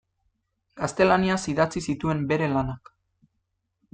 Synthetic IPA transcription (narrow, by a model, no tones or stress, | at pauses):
ɡ̥ast̪e̞laniasiðat͡sisit̪ue̞mbe̞ɾe̞lanak